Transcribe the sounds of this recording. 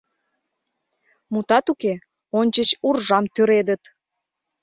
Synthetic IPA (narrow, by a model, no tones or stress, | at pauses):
mut̪ɑt̪uke | onʲt͡ɕət͡ɕurʒɑmt̪øɾed̪ət̪